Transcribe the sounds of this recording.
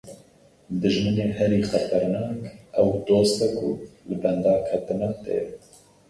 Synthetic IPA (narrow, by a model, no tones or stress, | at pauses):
d̪ɨʒmɨneːhɛɾiːxɛt̪ɛɾnɑːkʔɛwd̪oːst̪ɛkʰʊlɨbɛnd̪ɑːkʰɛt̪ɨnat̪ḛ